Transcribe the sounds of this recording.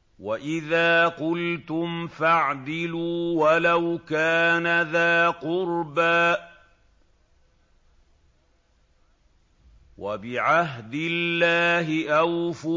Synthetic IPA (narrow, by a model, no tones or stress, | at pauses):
waʔɪðaːqʊlt̪ʊmfaʕd̪ɪluːwalawkaːnaðaːqʊɾbaː | wabɪʕaɦd̪ɪllːaːɦɪʔawfʊ